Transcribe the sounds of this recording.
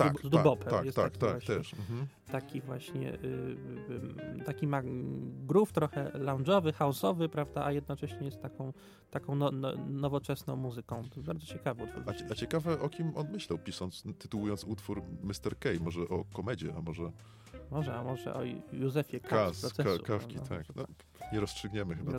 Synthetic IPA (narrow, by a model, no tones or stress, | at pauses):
azd̪uabɔpɛjɛst̪akt̪avwaɕt̪ɛɛʂm̩ | t̪akʲivwaɕɲɛ̰ | t̪akʲimaɡɾuft̪ɾɔxɛlawnd͡ʐɔvɘxaɔsɔvɘpɾavd̪aʔajɛd̪nɔt͡ʂɛɕɲɛjɛst̪t̪ːakɔ̃w̃ | t̪akɔ̃w̃nnɔvɔt͡ʂɛsnɔ̃w̃muzɘkɔ̃w̪̃baɾd̪zɔt͡ɕɛkavɛɔt̪fṵvʲaat͡ɕɛkavɛʔɔkʲimɔnmɘɕlawpʲiʂɔnt̪st̪ɘt̪uwujɔnsut̪fuɾmɘst̪ɛɾkɛjmɔʐɛʔɔkɔmɛd͡ʑɛʔamɔʐɛ | mɔʐɛamɔʐɛ̰ʔɔ̰juzɛfʲjɛkaasd̪ɔsɛsṵkafkḭaknɔ | ɲɛɾɔstʂɘɡɲɛmɘxɘba